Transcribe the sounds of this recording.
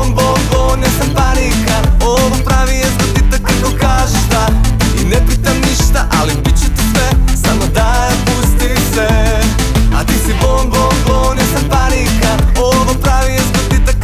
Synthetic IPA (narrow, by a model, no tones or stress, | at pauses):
nbonbonesampaɾikaoʋopɾaʋijest̪at̪it̪akakokaːʒeʒd̪a | inepiːt̪amniʃt̪aʔalipit͡ʃut̪isʋesamod̪ajampust̪i | se | at̪isibonbonbonesampaɾikaoʋopɾaʋijest̪at̪it̪ak